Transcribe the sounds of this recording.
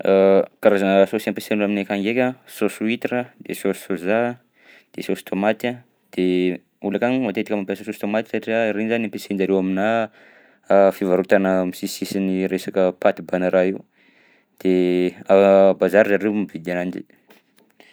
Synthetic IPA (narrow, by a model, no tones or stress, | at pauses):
kaɾazanəsosampesenaminekaŋɡekʲasosuit̪iɾəd̪̥esosu̥soza | d̪̥esosu̥t̪ʰomat̪a | d̪̥e | ulakanimat̪et̪ikəmampasosost̪omat̪i̥saʈ͡ʂiaɾenzaniampesend͡ʒaɾewamina | fivaɾut̪anəmisisisiniɾesakəpat̪ibanəɾaiu | d̪̥eabazaɾzaɾemivid̪anand͡ʒḭ